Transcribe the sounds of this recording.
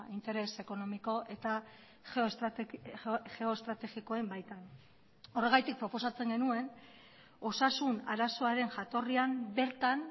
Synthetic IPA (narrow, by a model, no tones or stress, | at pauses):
int̪e̞ɾe̞se̞ko̞no̞miko̞ʔe̞t̪a | xeo | ʝe̞o̞est̪ɾat̪e̞ɣiko̞e̞mbajt̪an | o̞re̞ɣ̞ajt̪ik̚pɾo̞po̞sat͡se̞ŋɡe̞nue̞n | o̞sasuna̰ɾaso̞aɾe̞nʝat̪o̞riambe̞ɾt̪an